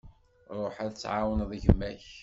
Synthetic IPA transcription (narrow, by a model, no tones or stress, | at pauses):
ɾˤoħæðt͡sːʕawənðˤʝəmːæç